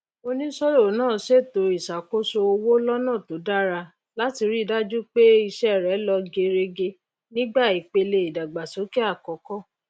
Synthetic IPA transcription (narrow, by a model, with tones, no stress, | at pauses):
o˧nĩ˦sɔ˦ɾo˦˨˦nãː˦˨se˦˨to˨i˨sa˨ko˦so˧o˧wo˦lɔ˦nãː˦˨to˨˦da˦ɾa˧ | la˦ti˧ɾi˦˨da˦d͡ʒu˦k͡pe˦i˧ʃɛ˦˨ɾɛ˨˦lɔ˧ɡe˧ɾe˧ɡe˧ | nĩ˦ɡ͡ba˦˨i˨k͡pe˧le˧i˨da˨ɡ͡ba˨so˨˦ki˦a˦˨kɔ˨kɔ˦